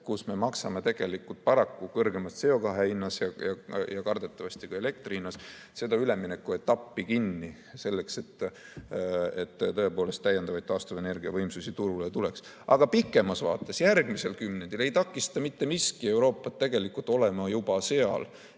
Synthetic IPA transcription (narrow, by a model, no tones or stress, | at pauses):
kusme̞mɑksɑmet̪e̞ɡ̥e̞likːˑult̪̚pɑɾɑkːukɤrɡ̥e̞mɑst̪se̞o̞kɑɦeinːɑsjɑjɑjɑkɑrd̪̥e̞t̪ːˑɑvɑst̪ikue̞le̞k̚t̪riinːɑs | se̞d̪ɑyle̞mːine̞kːuet̪ːɑpːikinːi | se̞lːe̞kse̞t̪ː | et̪ːt̪ɤ̞e̞po̞ːle̞st̪ːæjed̪̥ɑvɑjd̪̥̚t̪ːɑːst̪ovene̞rɡiɑvɤjmsusit̪uɾulet̪ule̞ks | ɑɡ̥ɑpikˑːe̞mɑsvɑːt̪ːˑesjærɡ̥mise̞lkymnend̪̥ile̞jt̪ɑkːˑist̪ɑmit̪ːe̞miskie̞uɾo̞ːpːˑɑt̪ːe̞ɡ̥e̞likːult̪ːˑo̞le̞mɑjubɑse̞ɑ̰l